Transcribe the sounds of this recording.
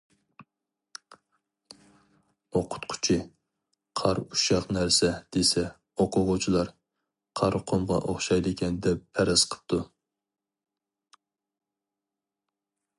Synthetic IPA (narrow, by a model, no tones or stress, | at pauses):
oqʰʊ̥t̪qʰʊ̥t͡ʃʰi | qʰɑɾuʃɑqnæɾsɛd̪̥esɛ | oqʰʊʁʊt͡ʃʰilˠɑɾ | qʰɑɾqʰomʁɑ̰ʔoχʃɑjd̪ɪkʲʰɛnd̪ɛpʰːɛɾɑsqʰə̥p̚t̪ʰu